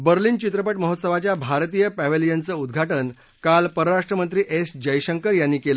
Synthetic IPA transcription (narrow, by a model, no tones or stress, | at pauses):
bəɾliːnt͡ɕit̪ɾəpəʈməɦot̪səʋat͡ɕjabʱaɾt̪iːjəpæʋelijənt͡səːud̪ɡʱaʈən | kalpəɾəɾaʂʈɾəmənt̪ɾiːʔesd͡ʑəjɕəŋkəɾjanːiːkelə